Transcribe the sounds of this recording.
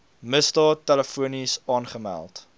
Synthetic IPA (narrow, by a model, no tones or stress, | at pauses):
məsdɑːtːæləfuənisɑːnχəmæ̰lˠt